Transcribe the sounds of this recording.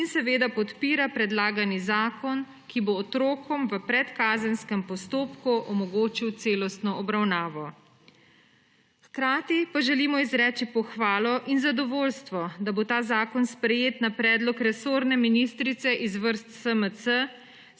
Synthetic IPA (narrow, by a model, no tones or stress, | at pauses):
insɛʋeːd̪apɔt̪piːɾapɾɛd̪laːɡanizaːkɔn | kiboːt̪ɾoːkɔmʋəpɾɛt̪kaːzənskɛmpɔst̪oːpkuʔɔmɔɡoːt͡ʃiwt̪seːlɔst̪nɔɔbɾawnaːʋɔ | xkɾaːt̪ipaʒɛliːmɔizɾɛːt͡ʃipɔxʋaːlɔʔinzad̪ɔʋoːlst̪ʋɔd̪abot̪aːzaːkɔnspɾɛjeːt̪napɾɛːd̪lɔkɾɛsoːɾnɛminist̪ɾit̪sɛʔizʋəɾst̪səməsə